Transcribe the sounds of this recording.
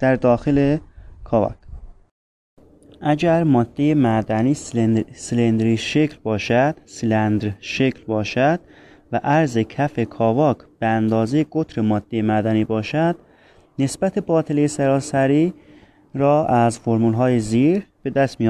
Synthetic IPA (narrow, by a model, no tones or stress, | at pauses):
d̪̥æɾd̪ɒːxelekʰɒːvɒ̰kʰ | ʔæɟæɾmɒːd̪̥ːejemæd̪æniːssilend̪ɾiːʃekʰlbɒːʃæd̪̥silænd̪ɾʃe̞kʰlbɒːʃæd̪̥̚ | væʔæɾzekʰæfe̞kʰɒːvɒːkʰb̥eænd̪ɒːzejeɡ̥ot̪ʰɾemɒːd̪̥ːejemæd̪æniːbɒːʃæd̪̥ | ne̞sb̥æt̪ʰe̞bɒːt̪ʰelejesæɾɒːsæɾiː | ɾɒːʔæzfoɾmulɦɒːjeziːɾb̥e̞d̪æst̪mij